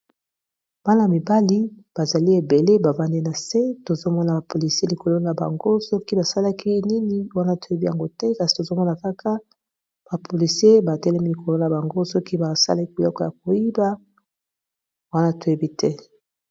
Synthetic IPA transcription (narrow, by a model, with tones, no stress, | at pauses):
b̥a˦na˨mi˨ba˦li˦b̥a˨za˨li˦e˨be˨le˦ba˨va˦nde˦na˨se˦to˨zo˦mɔ˦na˨ba˨po˨li˨se˦li˨ko˨lo˦na˨ba̰˨ŋɡo˦sɔ˦ki˦ba˨sa˦la˦kʰi˦ni˦ni˦wa˦na˦to˨je˦bi˦ja˨ŋɡo˦tɛ˦ka˨si̥˨to˨zo˦mɔ˦na˨ka˦kʰa˦ | b̥a˨pʰo˨li˨si˦e˦ba˨tɛ˦lɛ˦mi˦li˨ko˨lo˦na˨ba˨ŋɡo˦sɔ˦ki˦ba˨sa̰˦la˦ki˦bi˨lɔ˦kɔ˨ja˨k̚o˨ji˦ba˦ | wa˦na˦to˨je˦bi˦tʰɛ˦